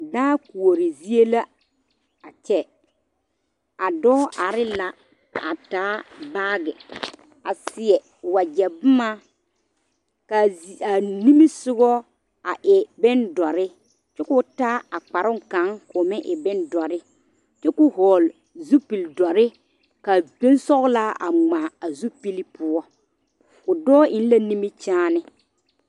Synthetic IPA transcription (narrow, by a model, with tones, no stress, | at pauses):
daː˦ku˨o˨ɾɪ˨zi˦e˦la˦ | a˨t͡ʃɛ˦ | a˨dɔː˦ʔa˨ɾɪ˦la˨ | a˨taː˨˦baː˦ɡɛ˨ | a˨sɪ˨ɛ˨ | wa˨d͡ʒɛ˨bʊ˦ma˦ | ka˨a˨ni˦mi˦sʊ˦ɡɔ˦ | a˨ʔɪ˨bɪ˦ndɔ˨ɾɪ˦ | t͡ʃɛ˦kʊ˨ta˦a˨k͡pa˨ɾʊ˦ŋ˨ka˨˦ŋkʊ˨mɪ̃˦ʔɪ˨bɪ˦ndɔ˨ɾɪ˦ | t͡ʃɛ˦kʊ˦ɦɔː˨l | zu˦pi˨ldɔ˨ɾɪ˦ | ka˨be˦n˦sɔ˦ɣla˦ʔa̰˨ŋ͡ma˨a˨zu˦pi˦li˦pʊ˦ɔ˦ | kʊ˨dɔː˦ɪ˨n˦la˦ni˦mi˦t͡ʃaː˦nɪ˦